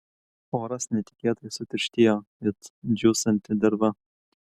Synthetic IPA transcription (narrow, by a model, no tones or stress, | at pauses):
oːɾɐsnʲɛt̪ʲɪ̥kʲiːt̪ɐjsʊt̪ʲɪɾʲʃʲt̪ʲijoː | ɪt̪d͡ʒʲuːsɐnʲt̪ʲɪd̪ɐɾbɐ